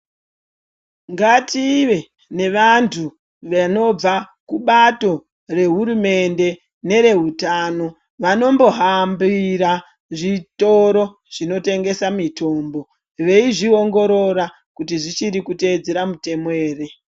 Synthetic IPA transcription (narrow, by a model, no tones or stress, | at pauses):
ŋɡatiʋe̞ | ne̞ʋantʰu | ʋano̞b͡vakuɓato̞ | re̞ɦuɾume̞nde̞ | ne̞ɾe̞ɦutano̞ | ʋano̞mbo̞ɦambiɾa | ʐito̞ɾo̞ | ʐ̥ino̞te̞ŋɡe̞samitʰo̞ːmbo̞ | ʋe̞iʐio̞ŋɡo̞ɾo̞ɾa | kutiʐit͡ʃiɾikute̞d͡zeɾamute̞moeːre̞